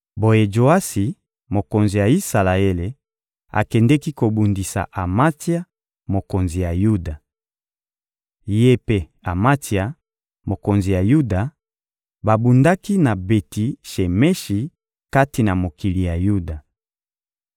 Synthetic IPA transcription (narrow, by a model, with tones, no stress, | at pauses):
bo˦je˦d͡ʒo˨a˦si˨ | mo˨ko˨nzi˨ja˨i˦sa˨la˨e˦le˨ | a̰˨kɛ˨ndɛ˦ki˦ko˨bu˨ndi˨sa̰˨ʔa˨ma˦ti˦a˦ | mo˨ko˨nzi˨ja˨ju˦da˨ | je˦pe˦ | a˨ma˦ti˨a˨ | mo˨ko˨nzi˨ja˨ju˦da˨ | ba˨bu˨nda˦ki˦na˨be˨ti˨ʃe˨mɛ˦ʃi˨ | ka˦ti˨na˨mo˨ki˨li˨ja˨ju˦da˨